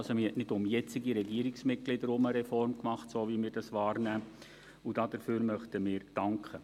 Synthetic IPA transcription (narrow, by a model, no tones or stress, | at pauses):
lsomɪhɛtnɪdʊmjɛt͡sɪɡiɾɛɡiəɾɪksmɪt̚ɡ̥lɪdəɾʊməɾɛfɔrmkmɑχtsoːʋimɪːɾd̥ɑsʋɑːɾnæː | ud̥ɑdəɾfyːɾmœχtəmɪːɾd̥ɑŋkχə